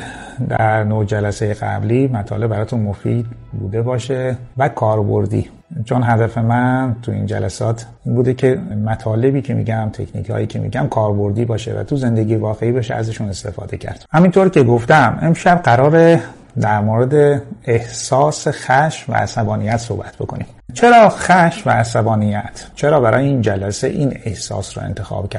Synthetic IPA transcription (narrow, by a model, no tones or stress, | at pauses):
d̪æ̰ɾnod͡ʒælæsejeɣæ̰bliːmæt̪ʰɒ̰ːle̞bbæɾɒːt̪ʰunmofḭd̪ | bṵːd̪e̞bɒːʃevækʰɒːɾbo̞̰ɾd̪ḭː | t͡ʃʰonɦæd̪æfe̞mænt̪ʰuḭnd͡ʒæ̰læsɒːt̪ʰ | iːnbuːd̪e̞cʰe̞mæt̪ʰɒːle̞biːcʰe̞mḭːɟæmt̪ʰe̞̰cʰnḭkʰhɒ̰ːjiːcʰe̞̰mḭɟæmkʰɒːɾbo̞ɾd̪iːbɒːʃḛvæ̰t̪ʰuze̞nd̪eɟijevɒːɣe̞iːbeʃeæ̰zeʃune̞st̪e̞̰fɒ̰ːd̪e̞̰cʰæ̰ɾd̪̥hæmint̪ʰoɾce̞ɡo̞ft̪æmʔe̞mʃæbɢæɾɒːɾe | d̪æɾmoɾe̞d̪eehsɒːsexæʃmvæ̰æsæbɒːnijæt̪so̞̰hbæt̪ʰbo̞̰kʰo̞̰nḭːm | t͡ʃʰe̞ɾɒːxæʃmvæ̰ːsæbɒːnijæt̪ʰt͡ʃʰe̞ɾɒːbæɾɒ̰ːjeind͡ʒælæsḛʔiːne̞hsɒ̰ːsɾɔ̰ːent̪ʰe̞xɒ̰ːb̥cʰæ